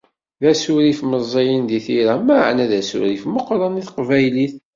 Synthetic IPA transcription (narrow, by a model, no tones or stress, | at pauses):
ðæsʊɾifməzˤːijinðiθiɾæmæʕnæðæsʊ̰ɾifməqɾˤɑniθqvæjliθ